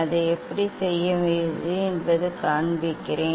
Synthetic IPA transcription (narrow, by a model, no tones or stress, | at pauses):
ɐðɯɛpːɐɽisɛjːɐʋɪðɯɛnbɐðɯkaːɳbɪkːɪɾeː